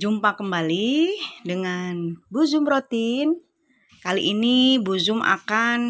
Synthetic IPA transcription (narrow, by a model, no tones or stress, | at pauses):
d͡ʒumpakəmbalidəŋanbuzʊmɾot̪in | kaliʔinibuzʊmʔa̰kan